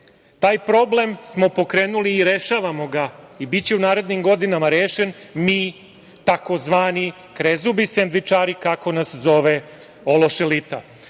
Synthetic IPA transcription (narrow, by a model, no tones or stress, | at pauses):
t̪aːjpɾo̞ble̞msmo̞po̞kɾe̞ːnuliːɾe̞ʃaːʋamo̞ɡaibitt͡ɕeunaːɾe̞d̪nimɡo̞d̪inamaɾeːʃe̞nmiː | t̪ako̞zʋaːni | kɾezubisend̪ʋit͡ʂaːɾikako̞naszo̞ʋe | olo̞ʃelit̪a̰